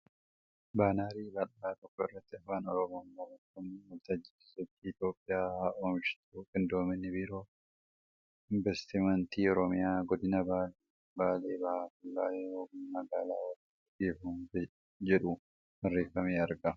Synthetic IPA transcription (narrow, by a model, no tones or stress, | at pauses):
baːnaːɾiːbɐlaːt̪ɔkːɔɪrːɐt̪ːɪɐfːaːnɔɾɔmoːnːɐɾɐt̪ːɐmiwɐlt̪ɐd͡ʒɪ̥ɪ̥sɛt͡ʃːiːt̪jo̞ːpʼːɪjaːhaʔoːmʃɪ̥t̪ukʼɪnd̪oːmɪnːɪbiːɾo̞ː | ɪɱbɛst̪ɪmɐnt̪iːɔɾɔmɪjaːɡɔd̪ɪnɐbaːl | baːleːbɐhaːkʊlːaːjɛɾoːmɐɡaːlaːwɐtːi | ɡeːfumfɛ | d͡ʒɛᶑʊ | mɐrːeːfɐmeːɐɾɡɐ